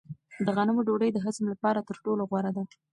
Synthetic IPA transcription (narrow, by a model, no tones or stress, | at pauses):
d̪əɣanəmoɖoɽəjd̪əɦəzmlapɑɾat̪əɾʈoloɣwaɾad̪a